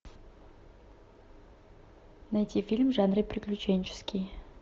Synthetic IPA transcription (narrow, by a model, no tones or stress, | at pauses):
nɐjtʲifʲilʲmʐanrɨjpɾʲɪklʲʉt͡ɕenʲt͡ɕɪ̥skʲʰɪj